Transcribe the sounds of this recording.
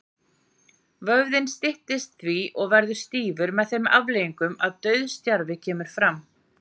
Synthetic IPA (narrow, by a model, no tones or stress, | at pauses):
vœɣðɪnst̪ɪht̪ɪst̪̚θviʔɔɣvɛɾðʏɾ̥st̪iːvʏɾmɛðθejma̰vlejiŋkʏmaðt̪œɥðst̪jaɾvɪcʰɛːmʏɾ̥fɾam